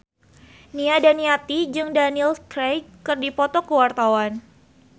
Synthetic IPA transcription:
niadaniat̪id͡ʒɨŋdanilskɾejkɨrdipɔt̪ɔkəwart̪awan

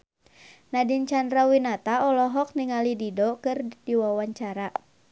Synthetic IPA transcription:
nadint͡ʃandɾawinat̪aɔlɔɦɔk̚niŋalididɔkɨrdiwawaɲt͡ʃaɾa

